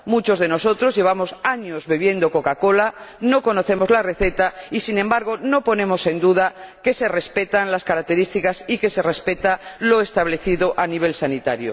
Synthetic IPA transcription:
mut͡ʃo̞zðe̞no̞so̞t̪ɾo̞zʝe̞β̞amo̞saɲozβeβ̞je̞nd̪o̞ko̞kako̞lano̞ko̞no̞θe̞mo̞zlare̞θe̞t̪aisinẽ̞mbaɾɣ̞o̞no̞po̞nẽ̞mose̞nd̪uðake̞se̞re̞spe̞t̪anlaskaɾak̚t̪e̞ɾist̪ikasike̞se̞re̞spe̞t̪alo̞est̪aβ̞le̞θiðo̞ʔaniβ̞e̞lsanit̪aɾjo̰

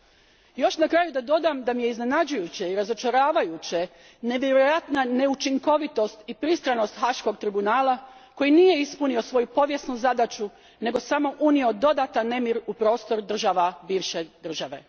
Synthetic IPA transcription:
jo̞ʃnakɾaːjud̪ad̪o̞d̪amd̪amije̞izne̞nad͡ʑujut͡ɕeiɾazo̞t͡ʃaɾaːʋajut͡ɕe | ne̞ʋjeɾojat̪nane̞ut͡ʃiŋko̞ʋit̪o̞st̪ipɾist̪ɾano̞st̪xaʃko̞ɡ̚t̪ɾibunaːlako̞jinije̞ispunio̞sʋo̞jupo̞ʋje̞snuzad̪at͡ʃu | ne̞ɡo̞samo̞ʔunio̞d̪o̞d̪at̪anːe̞miɾupɾo̞ːst̪o̞ɾd̪r̩ʒaʋabiːʋʃe̞d̪r̩ʒaʋe̞̰

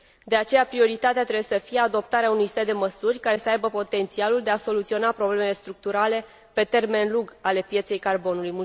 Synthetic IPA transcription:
d̪e̞at͡ʃe̞japɾio̞ɾit̪at̪eat̪ɾebjesəfijead̪o̞pt̪aɾeaunujsed̪e̞məsurʲkaɾe̞səajbəpo̞t̪e̞nt̪sialuld̪e̞aso̞lut̪sio̞napɾo̞ble̞mele̞st̪ɾuk̚t̪uɾale̞ | pe̞t̪e̞rme̞nluɡale̞pje̞t̪se̞jkarbo̞nulujmu

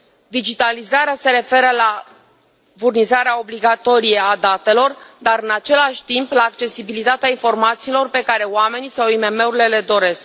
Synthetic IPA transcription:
d̪id͡ʒit̪alizaɾease̞ɾe̞fe̞ɾəla | furnizaɾeao̞bliɡat̪o̞ɾije̞ad̪at̪e̞lo̞rd̪aɾɨnat͡ʃe̞laʃʲt̪implaːkt͡ʃe̞sibilit̪at̪eainfo̞rmat̪siːlo̞rpe̞kaɾe̞wame̞nisawime̞me̞uɾile̞le̞d̪o̞ɾe̞sk

